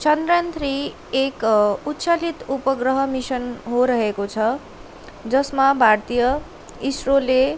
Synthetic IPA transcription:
t͡sʌnd̪rant̪ʰri | ekut̪t͡sʰalit̪upʌɡrʌɦʌmisʌnɦoɾʌɦekot͡sʰʌ | d͡zʌsmabʱart̪ijʌ | isrole

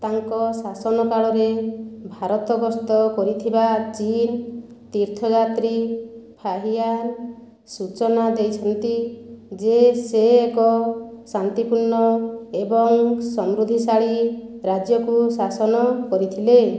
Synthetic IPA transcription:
t̪aŋkɔsasɔnɔkaɭɔɾebʱaɾɔt̪ɔɡɔst̪ɔkɔɾit̪ʰibat͡ʃin | t̪iɾt̪ʰɔd͡ʒat̪ɾipʰaɦijaɾ | sut͡ʃɔnad̪ejt͡ʃʰɔnt̪id͡ʒeseːkɔsant̪ipuɾɳɔebɔŋsɔmɾud̪ʱisaɭiɾad͡ʒjɔkusasɔnɔkɔɾit̪ʰile

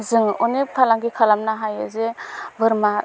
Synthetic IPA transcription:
zɯŋɔnepʰalaŋɡikʰalamnaɦajɯ̰zebɯɾmaɾ

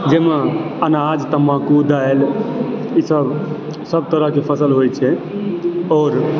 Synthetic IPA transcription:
d͡ʒeːmãənad͡ʒt̪əmãkud̪ael | isəb | səb̚t̪əɾəɦkepʰəsəlɦojt͡ʃʰɛ | ɔːɾ

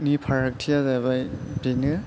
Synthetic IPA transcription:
nipʰaɹak̚tʰijazajβajbeŋɯ

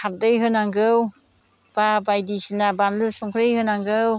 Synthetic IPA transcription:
kʰat̚dɯjɦɯnaŋɡɯw | b̥abajdisinabanlɯsɔŋkʰɾɯjhɯnaŋɡɯw

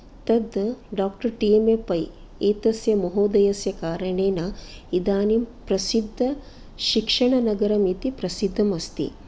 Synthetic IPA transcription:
t̪ɐd̪ɖaːk̚ʈɐɾʈiemepɐj | eːt̪ɐsjɐmɐɦoːd̪ɐjɐsjɐkaːɾɐɳeːnɐid̪aːnimpɾɐsid̪ʱːɐ | ʃikʂɐɳɐnɐɡɐɾɐmit̪ipɾɐsid̪ʱːɐmɐst̪ḭ

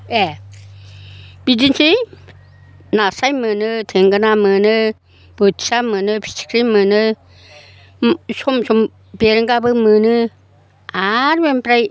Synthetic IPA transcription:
e | b̥idinsi | nasajmɯnɯtʰeŋɡanamɯnɯ | b̥ɯtʰi̥samɯnɯpʰi̥si̥kʰɾimɯnɯ | sɔmsɔm | beɾɯŋɡabɯmɯnɯ | aɾbempɾaj

